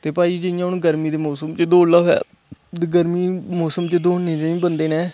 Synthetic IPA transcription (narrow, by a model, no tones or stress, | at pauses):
t̪eːpaːiːd͡ʒəɪjãːʊnɡəɾmĩːd̪eːmɔːsəmt͡ʃəd̪oːlaːɦɛ̰ː | ɡəɾmiːmoːsəmt͡ʃəd̪oːneːt̪ẽːĩːbənd̪eːnɛ̃ː